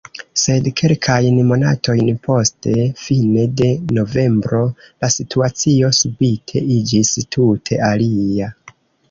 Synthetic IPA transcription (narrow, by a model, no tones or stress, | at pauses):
se̞dkʰe̞lkʰajnmo̞na̰tʰo̞jnpʰo̞ste̞fine̞de̞no̞ve̞mbɾo̞lasitʰuat͡sio̞subitʰe̞id͡ʒistʰutʰe̞alia